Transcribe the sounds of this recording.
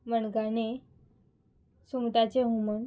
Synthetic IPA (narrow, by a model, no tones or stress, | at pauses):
məɳɡane | sumt̪at͡ɕeɦumən